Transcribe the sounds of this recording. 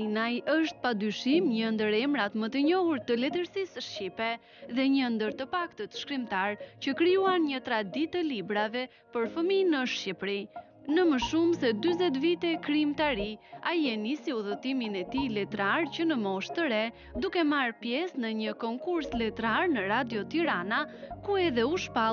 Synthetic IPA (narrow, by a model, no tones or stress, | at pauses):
najəʃt̪̚pad̪yʃimɲənd̪əɾɛmɾat̪mət̪əɲɔhuɾt̪əlɛt̪əɾsisʃcipɛ | ðɛɲənd̪əɾt̪əpakt̪ət̪ʃkɾimt̪aɾcəkɾijuanɲət̪ɾad̪it̪əlibɾavɛ | pəɾfəminəʃcipɾi | nəməʃumsɛd̪yzɛt̪̬vit̪ɛkɾimt̪aɾiajɛnisiuðət̪iminɛt̪ilɛt̪ɾaɾcənəmɔʃt̪əɾɛ | d̪ukɛmaɾpjɛsnəɲəkɔŋkuɾslɛt̪ɾaɾnəɾad̪jɔt̪iɾanakuɛðɛuʃpa